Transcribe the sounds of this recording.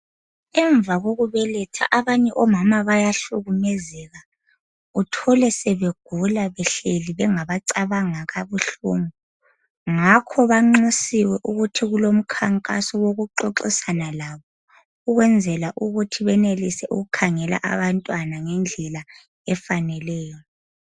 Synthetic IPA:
ɛɱvaɣoɣuβɛlɛtʰa̰ʔaβaɲɛʔɔmamaβajaɬuɣumɛzɛɣa | utʰɔlɛsɛβeɡ̥ʱulaβɛɬeliβɛŋaβaǀaβaŋaɣaβuɬṵːmu | ŋakʰɔβaŋ͡ǁisiwɛʔuɣutʰiɣulom̩kʰaŋkʼa̰sɔwoɣuǃɔǁisanalaβɔ | uɣwɛnd͡zʱɛlaʔuɣutʰiβɛnelisɛʔṵɣukʰaŋɛla̰ʔa̰βantʼwanaŋɛnd͡ɮʱɛla | ɛfanɛlɛːjɔ

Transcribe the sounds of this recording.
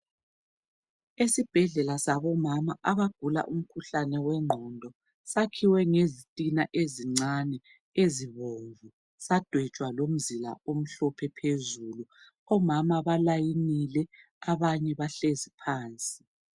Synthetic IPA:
esib̥ʱɛɮɛlasaβɔmamaʔaβaɡ̥ʱula̰ʔum̩kʰuɬanɛwɛŋ͡ǃʱɔndʱɔ | sakʰiwɛŋezitʼinaʔeziŋ͡ǀanɛ | eziβoɱvu | sad̥ʱwɛ̥t͡ʃʼwalom̩zila̰om̩ɬɔpʰɛpʰezuːlu | ɔmamaβalajinilɛ | aβaɲɛβaɬezipʰaːnt͡sʼi̥

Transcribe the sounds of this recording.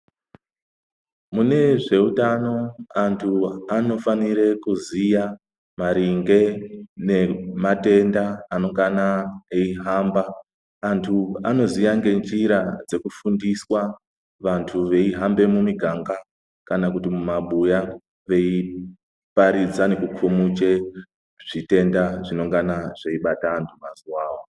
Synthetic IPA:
mune̞ʐe̞utano̞antʰuano̞faniɾe̞kuzija | maɾiŋɡe̞ne̞mate̞ndaːno̞ŋɡanaeiɦaːmbaː | ntʰuano̞zijaŋɡe̞nd͡ʒiɾad͡ze̞kufundiswa | ʋantʰuʋe̞iɦambe̞mumiɡʱaŋɡa | kanakutimumaɓuja | ʋe̞i | paɾid͡zane̞kukʰumut͡ʃe̞ | ʐ̥ite̞ndaʐino̞ŋɡanaʐ̥eiɓataːntʰumazuwaːwo

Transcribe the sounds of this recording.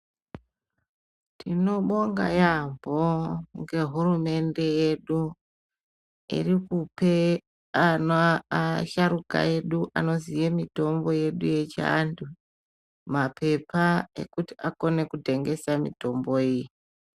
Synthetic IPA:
tino̞ɓo̞ŋɡa̰jambʱo̞ŋɡe̞ɦurume̞nde̞je̞ɗu | ḭrikupe | anoaʃaɾuka̰e̞ɗuʔa̰no̞zijemito̞mbo̞je̞ɗuje̞t͡ʃa̰ndu | mapʰe̞pʰae̞̰kuti̥ako̞ne̞kudʱe̞ŋɡe̞samḭto̞mbo̞iːji

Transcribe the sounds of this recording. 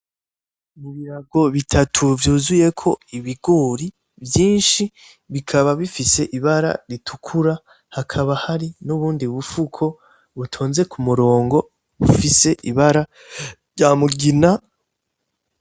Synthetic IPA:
muβiɾaɡo̞βitʰatʰuvjuːzuje̞kʰo̞iβiɡoɾi | vjiːnʃi | βikʰaβaβifise̞ʔiβaɾa̰ɾitʰukʰuɾa | hakʰaβahaɾinuβuːndiβufukʰo̞ | βutʰo̞ːnze̞kʰumuɾo̞ːŋɡo̞ | βufise̞ʔiβaɾa | jamuɡina

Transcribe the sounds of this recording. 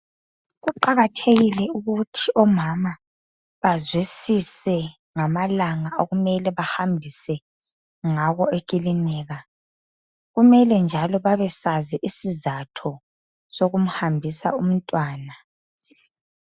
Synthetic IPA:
ɣuǃaɣatʰeɣilɛuɣutʰiʔɔmama | βazwisisɛ | ŋamalaŋaʔoɣumɛlɛβahambʱisɛ | ŋaɣɔek̬ʼilinɛːɣa | ɣumɛlɛnd͡ʒʱalɔβaβɛsazɛʔisizatʰɔ | soɣum̩hambʱisa̰um̩tʼwaːna

